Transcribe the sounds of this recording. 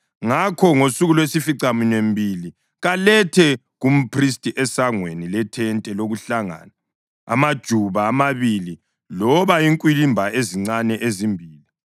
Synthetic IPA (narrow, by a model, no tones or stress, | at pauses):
ŋakʰɔŋosuɣulwesifiǀaminwembʱili | ɣalɛtʰɛ | ɣum̩pʰris̬tʼiʔɛsaŋwenilɛtʰɛntʼɛloɣuɬaŋa̰ːna̰ː | mad̥ʒ̥ʱuβaːmaβili | lɔβaiŋkʼwilimbʱaʔeziŋ͡ǀanɛʔezimbʱiːli